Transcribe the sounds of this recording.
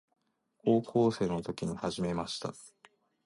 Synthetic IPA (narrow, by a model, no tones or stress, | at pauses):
koːkʰoːse̞ːno̞t̪o̞kʲiɲ̟ihaʑime̞maɕi̥t̪a̰